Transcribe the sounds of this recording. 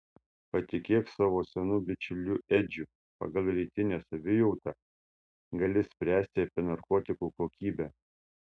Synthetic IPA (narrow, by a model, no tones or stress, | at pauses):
pɐt̪ʲɪkʲeːksɑːʋoːsʲɛnuːbʲɪt͡ʃʲʊlʲuːʔɛd͡ʒʲʊ | pɐ̰ɡɐlˠʲɾʲɛɪt̪ʲɪnʲeːsɐʋʲɪjɔʊt̪ɑː | ɡɐlʲɪsʲpʲɾʲæːsʲt̪ʲɪɐpʲɪnɐɾkɔːt̪ʲɪkuːkoːkʲiːbʲæː